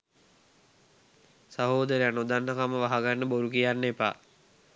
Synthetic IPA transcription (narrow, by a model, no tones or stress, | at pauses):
saɦoːd̪əɾeanud̪anːəkaməʋaɦaɡanːəboɾukijanːepa̰ː